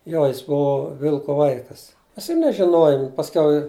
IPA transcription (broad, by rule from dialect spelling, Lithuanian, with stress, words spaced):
ˈjoː jɪs ˈbuɔ ˈʋʲɪlˠkoː ˈʋɐɪkɐs ˈmʲɛs ɪr nʲɛʒʲɪˈnoːjoːm pɐsʲˈkʲɛʊ